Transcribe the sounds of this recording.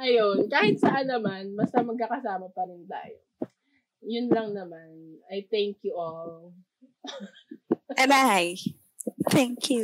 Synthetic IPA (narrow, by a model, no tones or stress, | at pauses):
ʔɐjonkaːhɪt̪̚sɐʔanːɐmanbɐst̪ɐmɐɡ̚kakɐsaːmɐpɐɾɪnt̪a̰ːjo̰ | jʊnlɐŋnɐmanʔɐjt̪ɛŋkjuʔol | ʔɛnaj | t̪ɛŋkju